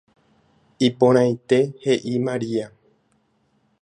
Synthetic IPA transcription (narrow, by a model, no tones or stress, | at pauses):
ipõɾ̃ãj̃t̪e̞he̞ʔimaɾia